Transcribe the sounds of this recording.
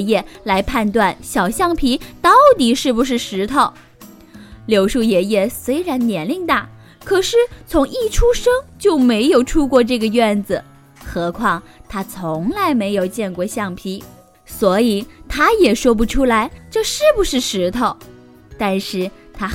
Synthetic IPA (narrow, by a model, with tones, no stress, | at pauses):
jɛ˥˩la˧˥ɪpʰa˥˧nt̪wa˥˩nɕjɑ˨˩ʊɕjɑ˥˩ŋpʰi˧˥t̪ɑ˥˩ʊt̪i˨˩ʂɻ̩˥˩pu˨˩ʂ̬ɻ̩˥˩ʂɻ̩˧˥t̪ʰo˨˩˦ʊ | ljo˧˥ʊʂu˥˩jɛ˨˩jɛ˥˩swe˥ɪɻa˧˥nnjɛ˧˥nli˥˧ŋt̪a˥˩ | kʰɤ˨˩ʂɻ̩˥˩t͡sʰʊ˧˥ŋi˥˩ʈ͡ʂʰu˥ʂɤ˥ŋt͡ɕjo˥˩ʊme˧˥ɪjo˨˩ʊʈ͡ʂʰu˥kwɔ˥˧ʈ͡ʂɤ˥˩ɡə˩ɥɛ˥˩nd͡zə˨˩ | xɤ˧˥kʰwɑ˥˩ŋt̪ʰa˥t͡sʰʊ˧˥ŋla˧˥ɪme˧˥ɪjo˨˩ʊt͡ɕjɛ˥˧nkwɔ˥˧ɕjɑ˥˩ŋpʰi˧˥ | swɔ˧˥i˨˩t̪ʰa˥jɛ˨˩ʂwɔ˥p̬u˧˥ʈ͡ʂʰu˥la˧˥ɪʈ͡ʂɤ˥˧ʂɻ̩˥˩pu˨˩ʂɻ̩˥˩ʂɻ̩˧˥t̪ʰo˨˩ʊ | t̪a˥˧nʂɻ̩˥˩ | t̪ʰa˥